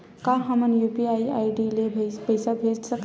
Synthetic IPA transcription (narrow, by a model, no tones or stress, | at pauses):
kaɦəmənjupiaiaːiɖilebʱpəjsabʱeːd͡ʒsək